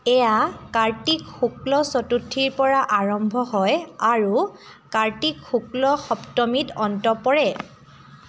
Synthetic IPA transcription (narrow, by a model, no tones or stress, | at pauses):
ɛjakaɹtikxuklɔsɔtutʰːiɹpɔɹaʔaɹɔmbʱɔɦɔjaɹu | kaɹtikxuklɔxɔptɔmitɔntɔpɔɹɛ